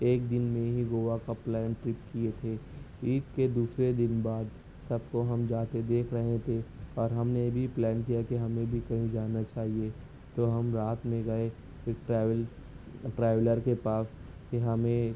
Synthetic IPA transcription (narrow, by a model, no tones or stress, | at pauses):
eːkd̪ɪnmẽɦiɡoːʋakaplɛːnʈɾɪpkiet̪ʰeː | iːtked̪uːsɾed̪ɪnbaːd̪ | sɐb̚koɦɐmd͡ʒaːt̪ed̪eːkʰɾɐɦẽt̪ʰeɔːɾɦɐmnebʱiplɛːnkijakiɦɐmẽbʱikɐɦĩd͡ʒaːnːat͡ʃaːɦie | t̪oɦɐmɾaːt̪mẽɡɐe | eːkʈːʋl | ʈɾɛːʋləɾkepaːskiɦɐmẽ